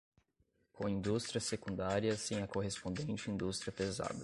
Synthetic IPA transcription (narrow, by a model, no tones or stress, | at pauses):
kõĩnd̪ust̪ɾiɐsekũnd̪aɾiɐsẽj̃ɐkoɦespõnd̪ẽnt͡ʃɪĩnd̪ust̪ɾiɐpeza̰d̪ɐ